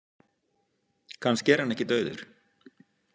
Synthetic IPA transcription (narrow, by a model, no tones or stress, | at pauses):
kʰanscɛɾ̥hanːɛhcɪt̪œːɥðʏ̰ɾ̥